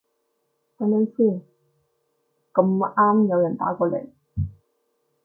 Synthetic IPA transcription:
t̪a˧˥na˥nsiː˥˩ | kɐ˧m˧ʔaː˥˩mjɐ˨˧wja˨˩nt̪a̰ː˨˥kʷɔː˧lḛ˨˩j

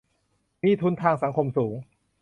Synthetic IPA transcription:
miː˥˩t̪ʰu˦˥nt̪ʰaː˧ŋsa˩˦ŋkʰo˧msuː˩˦ŋ

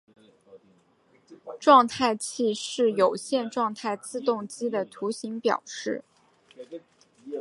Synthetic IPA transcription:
ʈ͡ʂwɑ˥˧ŋt̪ʰa˥˧ɪt͡ɕʰi˥˧ʂɻ̩˥˩jo˨˩ʊɕjɛ˥˧nʈ͡ʂwɑ˥˧ŋt̪ʰa˥˧ɪt͡sɹ̩˥˧t̪ʊ˥˩ŋt͡ɕi˥d̪ə˨t̪ʰu˧˥ɕi˧˥ŋpjɑ̰˨˩ʊʂɻ̩˥˩

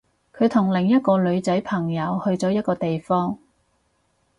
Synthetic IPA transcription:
kʰɵ˨˧ɥt̪ʰʊ˨˩ŋlɪ˨˩ŋjɐ˥t̚kɔː˧lɵ˨˧ɥt͡sɐ˨˥jpʰɐ˨˩ŋjɐ˨˧whɵ˧ɥt͡sɔː˨˥jɐ˥t̚kɔː˧t̪e˨jfɔː˥ŋ

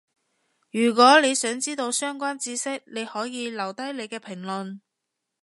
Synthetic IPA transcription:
jyː˨˩k̬wɔː˨˥le˨˧jsœː˨˥ŋt͡siː˥t̪o˧wsœː˥ŋkʷwaː˥nt͡siː˧˥sɪ˥k̚ne˨˧jhɔː˨˥jiː˨˧lɐ˨˩wt̪ɐ˥jle˨˧jkɛː˧pʰɪ˨˩ŋlɵ˨n

